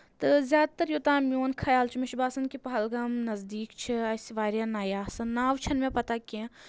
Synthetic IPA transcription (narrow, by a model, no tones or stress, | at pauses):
t̪ɨzʲjaːd̪̚t̪ɐɾjot̪aːmjoːnkʰɐjaːlt͡ʃʰimɪʃbaːsɐnkipɐɦɐlɡɐmnɐzd̪iːkt͡ʃʰiɐjsiʋaːɾjanaːjaːsɐnːaːʋt͡ʃʰɐnmẽpɐt̪akiẽ